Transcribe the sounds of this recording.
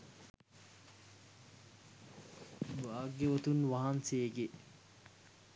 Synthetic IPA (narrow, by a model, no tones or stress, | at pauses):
baːɡeʋot̪unʋaɦanseːɡe